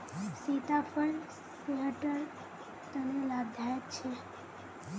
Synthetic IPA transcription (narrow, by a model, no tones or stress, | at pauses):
sit̪apʰəl | peəʈəɾ | t̪ənelabd̪ʱajət̪t͡ʃʰe